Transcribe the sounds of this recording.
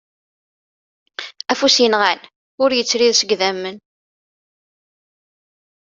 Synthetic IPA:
æfusjənʁæn | ʊɾjət͡sːɾiðsəɡðæmːən

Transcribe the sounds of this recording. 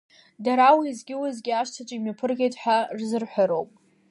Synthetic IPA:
daɾawiːzɡʲɪwazɡʲɪaʃtʰat͡ʃʷʼimapʰɨrɡʲejtʼħʷᶣarzɨrħʷaɾo̞wpʼ

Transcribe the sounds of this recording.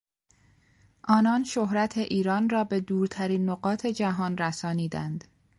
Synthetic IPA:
ʔɒːnɒːnʃohɾæt̪ʰe̞ʔiːɾɒːnrɒːbe̞d̪uːɾt̪ʰæɾiːnːoɢɒːt̪ʰe̞d͡ʒæɦɒːnræsɒːniːd̪ænd̪̥

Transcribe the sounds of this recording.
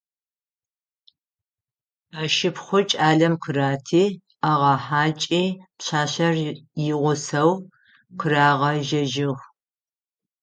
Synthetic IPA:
aːʃɪpχʷʊt͡ʃʼaːɮɐmqʰəraːtʰiː | aʁɐħaːt͡ʃʼiːpɕaːɕɐrjɪʁʷʊsɐw | qʰəraːʁɐʒɐʒɪʁʷ

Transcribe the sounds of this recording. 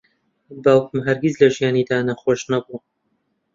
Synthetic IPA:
baːwkʰɨmɦɐɾɡʲizlɐʒijaːnid̪aːnɐxoːʃnɐbu

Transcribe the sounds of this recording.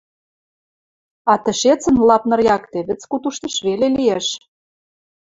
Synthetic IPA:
ɑt̪ɘ̆ʃet͡sə̆nlɑpnɤ̆rjɑkt̪eβɘ̆t͡skut̪uʃt̪ɤ̆ʃβelelijeʃ

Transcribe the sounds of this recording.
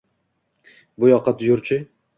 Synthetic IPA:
bʊjɒqʰːɑt̪jʊɾt͡ʃʰɪ

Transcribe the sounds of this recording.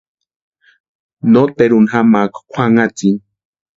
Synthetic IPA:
not̪eɾunɦamakkʰʷaŋat͡sin

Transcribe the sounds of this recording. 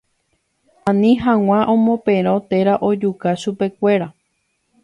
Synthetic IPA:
ãnĩɦãw̃ãʔõmõpẽɾ̃ot̪e̞ɾaʔo̞d͡ʒukaʃupe̞kʷe̞ɾa

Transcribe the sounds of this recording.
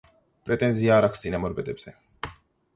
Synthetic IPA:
pɾet̪enziaɾaksinemoɾbed̪epse

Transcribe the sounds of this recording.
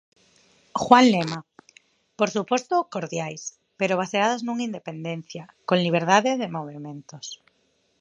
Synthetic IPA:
xwanlema | poɾsupost̪okoɾðjajs | peɾoβ̞aseað̞aznuŋaind̪epend̪ẽn̟θjakõnliβ̞eɾðaðeðemoβ̞emẽnt̪os

